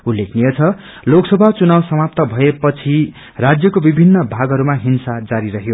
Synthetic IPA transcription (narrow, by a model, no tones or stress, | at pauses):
ulːekʰnijʌt͡sʰʌ | loksʌbʱat͡sunawsʌmap̚t̪ʌbʱʌepʌt͡sʰi | rad͡zjʌkobibʱinːʌbʱaɡʌɾumaɦinsad͡zaɾiɾʌɦjo